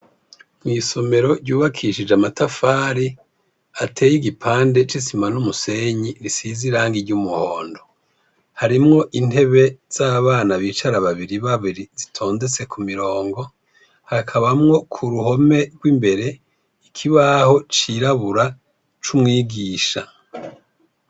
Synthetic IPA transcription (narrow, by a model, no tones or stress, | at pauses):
mŋiːso̞me̞ɾo̞ɟɟuːβakʰiʃid͡ʒamatafaːɾi | atʰe̞ːjiɡipʰaːnde̞t͡ʃisimanumuse̞ɲiɾisiziɾaːŋɡiɟumuhoːndo̞ | haɾimŋo̞ʔin̥he̞βe̞z̥aːβaːnaβiːt͡ʃaɾaβaβiɾiβaβiɾiz̥itʰo̞ːnze̞t͡se̞kʰumiɾo̞ːŋɡo̞ | hakʰaβamŋo̞kʰuɾuɦo̞me̞ɾɡwimbe̞ɾe̞ | ikʰiβaho̞t͡ʃiɾaβuɾa | t͡ʃumŋiːɡiːʃa